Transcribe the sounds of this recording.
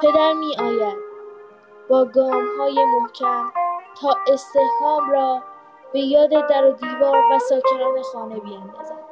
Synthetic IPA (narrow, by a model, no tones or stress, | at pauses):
pʰe̞d̪æɾmiːɒːjæd̪̥̚ | b̥ɒːɡɒːmhɒːje̞momcʰænt̪ʰɒːʔe̞st̪e̞hhɒːmɾɒː | b̥e̞jɒːd̪e̞d̪æɾod̪iːvɒːɾvæsɒːcʰe̞nɒːne̞xɒːne̞bijænd̪ɑːzæd̪̥